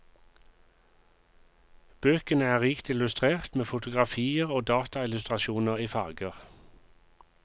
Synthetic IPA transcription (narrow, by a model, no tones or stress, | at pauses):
b̥øːkənəæːʁiːkt̪ɪlʉst̪ʁeːʁt̪meːfʊt̪ʊɡʁɑfiːəʁoːd̪ɑːt̪ɑɪlʉst̪ʁɑʃuːnəʁiːfɑːɡəʁ